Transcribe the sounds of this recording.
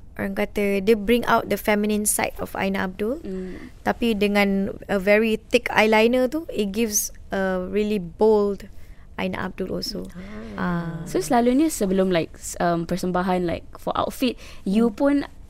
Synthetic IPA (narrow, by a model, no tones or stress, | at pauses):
ʔo̰ɹãŋkat̪ədebɹĩŋʔa̰wt̚dəfɛmĩnĩnsa̰jtɔ̰fa̰jnaa̰b̚dult̪apidəŋãnəvɛɹit̪ikʰa̰jlajnət̪uit̚ɡifsəɹilibold | ʔa̰jna̰ʔa̰b̚dulʔɔ̰lsoʔãsosəlaluɲəsəbəlomlaɪk̚ə̃mpəsəmbaɦãnlaɪk̚fɔ̰ʔa̰wtfit̚jupũn